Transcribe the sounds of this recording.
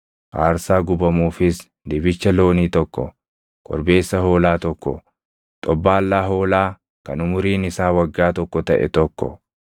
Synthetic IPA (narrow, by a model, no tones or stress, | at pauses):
ʔaːɾsaːɡʊbɐmuːfɪs | d̪ɪbɪt͡ʃːɐlo̞ːniːt̪ɔkːɔ̰ | kʼɔ̰ɾbe̞ːsːɐɦo̞ːlaːt̪ɔkːɔ̰ | t̪ʼɔbːaːlːaːɦo̞ːlaː | kɐnʊmʊɾiːnɪsaːwɐɡːaːt̪ɔkːɔt̪ɐʔɛ̰t̪ɔkːɔ̰